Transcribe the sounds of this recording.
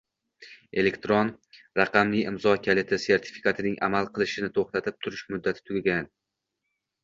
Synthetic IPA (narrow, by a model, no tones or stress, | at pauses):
e̞lekʲt̪ɾon | ɾaqʰɑmlɪɪmzɒkʲʰalet̪ʰɪse̞ɾt̪ʰɪ̥fi̥kʰat̪ʰɪnɪŋʔa̰malˠqʰɨlˠɪʃɪnɪt̪ʰoχt̪at̪ʰɪp̚t̪ʰʊɾɪʃmʊd̪ːat̪ʰɪ̥t̪ʰʊɡʲɡʲan